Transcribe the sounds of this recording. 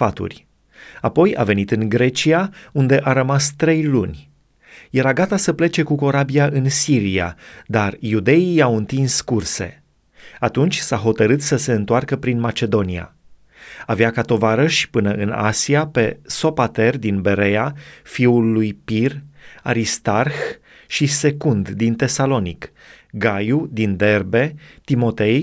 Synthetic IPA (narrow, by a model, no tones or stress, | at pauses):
fat̪ṵrʲ | apo̞ja̰ve̞nit̪ɨŋɡɾe̞t͡ʃiaund̪e̞ʔaɾəmast̪ɾe̞jlunʲ | je̞ɾaɡat̪asəple̞t͡ʃe̞kuko̞ɾabijaʔɨnsiɾija̰d̪arjud̪e̞ijawɨnt̪inskurse̞̰ | at̪unt͡ʃʲsaɦo̞t̪əɾɨt̪səse̞ɨnt̪oarkəpɾinmat͡ʃe̞d̪o̞nia̰ | aveakat̪o̞vaɾəʃi̥pɨnəʔɨna̰siape̞so̞pat̪e̞rd̪inbe̞ɾe̞afiulːujpiraɾist̪arx | ʃise̞kund̪d̪int̪e̞salo̞nik | ɡajud̪ind̪e̞rbe̞t̪imo̞t̪e̞j